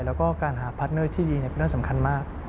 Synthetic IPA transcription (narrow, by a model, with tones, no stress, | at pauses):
lɛː˦˥wkɔː˥˩kaː˧nɦaː˩˦pʰa˦˥nɤ˥˩t̪ʰiː˥˩diː˧ni˥˩pe˧n˦˥˩sa˩˦mkʰa˧nmaː˥˩k̚